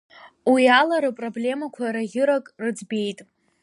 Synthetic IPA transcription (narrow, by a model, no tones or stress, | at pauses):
wialaɾɨpʼroblʲe̞makʷʰaɾaɣʲɪɾakʼrɨd͡zbe̞jtʼ